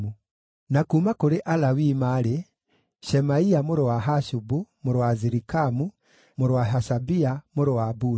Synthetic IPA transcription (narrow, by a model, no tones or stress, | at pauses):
u | nakumakoɾeʔalawimaɾe | ʃɛmaiamoɾowaɦaʃubumoɾowaziɾikamu | moɾowaɦaʃabiamoɾowabu